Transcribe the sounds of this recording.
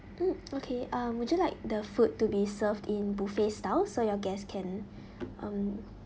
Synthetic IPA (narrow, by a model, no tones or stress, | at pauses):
m̩okʰeʔʌ̃mwudjulaɪk̚dəfutːubisəvdĩnbufestaʊsojɔɡɛskʰɛ̃n | ʔʌ̃m